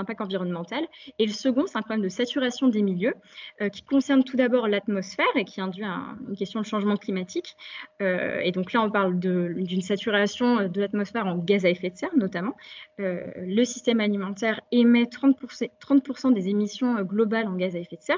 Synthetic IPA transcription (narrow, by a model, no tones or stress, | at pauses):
ɛ̃pak̚t̪ɑ̃viʁɔnmɑ̃t̪aleləsəɡɔ̃sɛt̪ɛ̃pχɔblɛmd̪əsat̪yʁasjɔ̃d̪emiljøøkʲi̥kɔ̃sɛʁnt̪ud̪abɔʁlat̪mɔsfɛʁekʲʰiɛ̃d̪ɥiɛ̰̃ynkʲɛst̪jɔ̃d̪əʃɑ̃ʒmɑ̃klimat̪ʰikøḛd̪ɔ̃klaɔ̃paʁld̪əd̪ynsat̪yʁasjɔ̃ød̪əlat̪mɔsfɛʁɑ̃ɡazaɛfɛt̪sɛʁnɔt̪amɑ̃øləsi̥st̪ɛmalimɑ̃t̪ɛʁemɛt̪χɑ̃t̪pust̪χɑ̃t̪̚puʁsɑ̃d̪ezemisjɔ̃øɡlɔbalɑ̃ɡazaɛfɛt̪sɛʁ